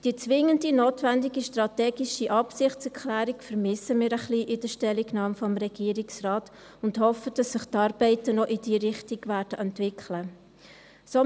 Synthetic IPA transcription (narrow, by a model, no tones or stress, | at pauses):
d̥iːət͡svɪŋːəndinoːtvændiɡiʃtrɑtɛːɡiʃiʔɑpsɪχtt͡sɛɾkʰlæːɾikfəɾmɪsəmiːɾəχliːʔɪd̥əʃtɛlːiɡnɑːmfɔmɾɛɡ̥iːəɾiksrɑːt | ʊndhɔfəd̥ɑsːɪχtɑːɾb̥ɛɪtənɔʔid̥iːɾɪχtiɡvæːɾd̥əʔɛntvɪkʰlə | so